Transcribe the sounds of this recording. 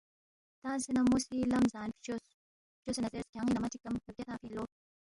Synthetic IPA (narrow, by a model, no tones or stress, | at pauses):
t̪ansinɐmusilɐmzaːnpt͡ʃos | t͡ʃosenɐzeskʲaŋinɐmɐtikːɐmkəb̚ʲɐt̪aːfilo